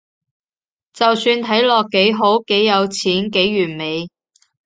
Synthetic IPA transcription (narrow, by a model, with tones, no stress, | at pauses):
t͡sɐ˨wsyː˧nt̪ʰɐ˨˥jlɔː˨kːe˨˥jɦo˨˥wke˨˥jːɐ˨˧wt͡sʰiː˨˥nke˨˥jːyː˨˩nme˨˧j